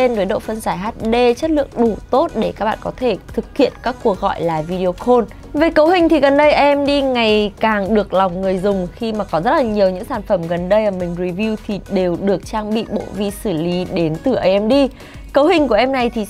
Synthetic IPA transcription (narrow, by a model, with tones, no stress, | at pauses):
e˧nzəː˨˦jɗo̰˧˨fə˧nzaː˧˩jɦaː˦˥t̚ɗe˧t͡ɕə˦˥t̚lɨ̰˧˨əŋɗu˧˩t̪o˦˥t̚ɗe˧˩ka˦k̚ɓa̰ː˧˨˩kɔ˨˦t̪ʰe˧˩t̪ʰɨ˨˩k̚hḭ˧˨ənkaː˦˥kːu˧˩ək̚ɣɔ̰˧˨jlaː˨˩vi˧ɗi˧o˧xo˧n | ve˨˩kə˨˦wɦï˨˩ŋ̟t̪ʰi˨˩ɣə˨˩nɗə˧jʔə˧ʔɛ˧mɗi˧ŋa˨˩jkaː˨˩ŋɗɨ˨˩ək̚la˨˩wŋ͡mŋɨ˨˩əjzʊ˨˩ŋ͡mxi˧maː˨˩kɔ˨˦zə˦˥t̚laː˨˩ɲi˨˩əwɲɨ̰˧˥ŋsaː˧˩nfə˧˩mɣə˨˩nɗə˧jʔəː˧˩mï˨˩ŋ̟ɹi˨˩vi˧wt̪ʰi˨˩ɗe˨˩wɗɨ˨˩ək̚t͡ɕaː˧ŋɓḭ˧˨ɓo̰˧˨vi˧sɨ˧˩li˨˦ɗe˨˦nt̪ɨ˨˩ʔə˧jʔɛ˧mɗi˧ | kə˨˦wɦï˨˩ŋ̟ku˧˩əʔɛ˧mna˨˩jt̪ʰi˨˩